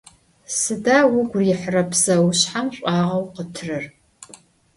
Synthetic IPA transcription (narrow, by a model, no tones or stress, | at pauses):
sɨdaːwʊɡʷrjɪħrɐpʰsɐwɕħamɕʷʼɑːʁɐwqətʰɨrɨr